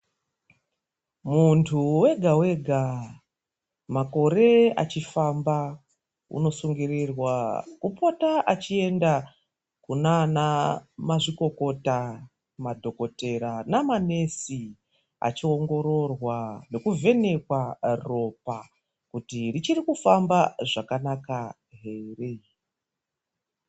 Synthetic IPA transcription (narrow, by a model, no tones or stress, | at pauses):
muntʰuwe̞ɡʱawe̞ɡʱa | mako̞ɾe̞a̰t͡ʃifamba | ṵno̞suŋɡirirwakupotaʔat͡ʃie̞nda | kunanamaʐiko̞ko̞ta | madʱo̞ko̞te̞ɾanamane̞si | a̰t͡ʃio̞ŋɡo̞ɾo̞rwane̞kuve̞ne̞kwaro̞pa | kutirit͡ʃirikufambaʐakanaka | ɦe̞ːre̞